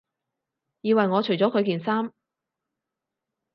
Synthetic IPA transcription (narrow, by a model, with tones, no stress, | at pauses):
jiː˨˧wɐ˨jŋɔː˨˧t͡ʃʰɵ˨˩jt͡sɔː˨˥kʰɵ˨˧ɥkiː˨nsaː˥m